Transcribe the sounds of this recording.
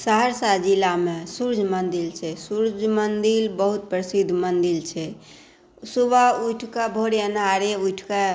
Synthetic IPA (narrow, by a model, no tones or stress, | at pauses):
səɦəɾsad͡ʒilːamesuɾd͡ʒʱmənd̪ilt͡ʃʰɛsuɾd͡ʒʱmənd̪ilbəɦut̪̚pɾəsid̪ʱmənd̪ilt͡ʃʰɛ | subauʈʰkebʱoɾjənaɾeuʈʰke